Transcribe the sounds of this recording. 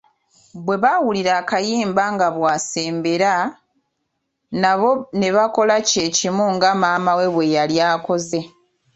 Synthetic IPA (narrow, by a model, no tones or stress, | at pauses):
βwe̞βawuliɾaːkajiːmbaŋɡaβwaːse̞ːmbe̞ɾa | naβo̞ne̞βako̞laceːcimuŋɡamaːmawe̞βwe̞jaljaːko̞ze̞